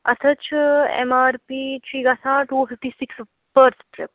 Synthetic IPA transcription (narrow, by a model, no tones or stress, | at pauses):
ɐt̪ʰət͡ʃʰḛmaɾpit͡ʃʰiɡasãːʈufʰifʈiːsiks | bəɾsʈɾḛp̚